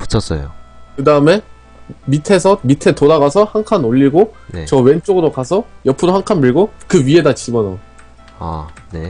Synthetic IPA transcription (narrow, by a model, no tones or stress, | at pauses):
pu̥t͡ɕʰʌs͈ʌ̰jo̰kɯdaɯme̞ | mitʰe̞sʰʌmitʰe̞toɾaɡasʰʌhaŋkʰanoʎːiɡonet͡ɕʌwe̞nt͡ɕ͈oɡɯɾokasʰʌjʌpʰɯɾoɦaŋkʰanmɯɭɡokɯɥie̞dat͡ɕibʌnʌ | a̰ne